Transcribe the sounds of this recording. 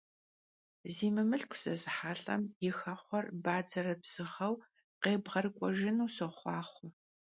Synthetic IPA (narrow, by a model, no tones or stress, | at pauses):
ziːmɨmɨɬkʷʰʊ̥sɐzɨħaːɬʼɐ̰mjɪxɐχʷɔrbaːd͡zɐrɐbz̥ɨʁɐw | qeːbʁɐrɨkʷʼɔʒɪnuːsɨχʷɑːχʷʊ